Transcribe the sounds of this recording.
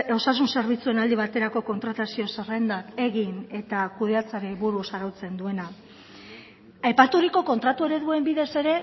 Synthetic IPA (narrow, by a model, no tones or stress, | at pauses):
o̞sas̬unse̞ɾβ̞it͡sue̞nald̪iβ̞at̪e̞ɾako̞ko̞nt̪ɾat̪asio̞serend̪ake̞ɣine̞t̪akuð̞e̞at͡saɾeβuɾuosaɾawt͡se̞nd̪ue̞na | ajpat̪uɾiko̞ko̞nt̪ɾat̪ue̞ɾe̞ðue̞mbiðe̞se̞ɾe̞